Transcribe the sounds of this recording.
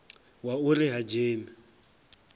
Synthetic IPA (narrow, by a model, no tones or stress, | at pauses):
waʊrɪɦad͡ʒeːmɪ